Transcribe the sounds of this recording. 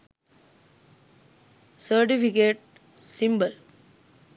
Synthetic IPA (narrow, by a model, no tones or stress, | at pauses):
səɾʈifikeːʈ̚ | sĩmbəl